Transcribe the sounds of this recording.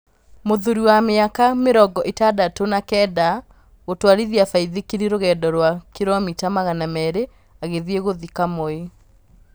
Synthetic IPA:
moðuɾiwameakameɾɔɡɔʔetadatonakɛːda | ɣotwaɾiðiafaiðekeɾiɾoɣɛːdɔɾwakeɾɔmitamaɣanamɛːɾe | aɣeðieɣoðikamoe

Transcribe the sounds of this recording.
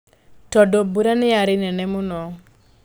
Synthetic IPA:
tɔdobuɾanɪaɾɪnɛnɛmʊnɔ

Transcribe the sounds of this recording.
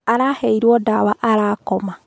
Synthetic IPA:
aɾahɛiɾwɔdawaʔaɾaːkɔma

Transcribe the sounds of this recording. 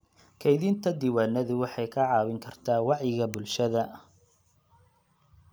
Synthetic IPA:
kʰɐɪðiːnt̪ʰɐd̪ɪwaːnːɐðʊwɑħɑjkʰɐʕɑːwɪŋkʰɐrt̪ʰaːwɑʕjɪɣɐbʊlʃɐðɐ

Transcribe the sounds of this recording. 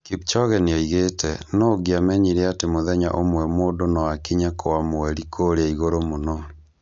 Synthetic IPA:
kip̚t͡ʃɔɣɛneɔiɣetʰɛnɔɡeamɛɲiɾeatemoðɛɲa̰ʔomwɛmoːdonɔwakiɲakʰowamoɛɾikʰoɾeaiɣoɾomonɔ

